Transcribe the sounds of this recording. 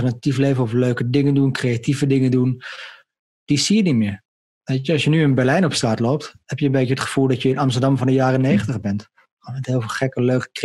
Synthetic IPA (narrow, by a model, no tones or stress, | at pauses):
ərnatifleːvənɔfløːkədɪŋəndunkreativədɪŋəndun | d̥isiːənitmɪ | ʋetəɔsjənyɪnbɛrlɛjnɔpstraːtloːp̚thɛpjəənbeːtəətχə̥fulˠdɔtjəɪnamstədɑmfɔndəjaːrəneːxəntəxbɛntː | nmɛthɪlˠfxɛkəløːkə̥k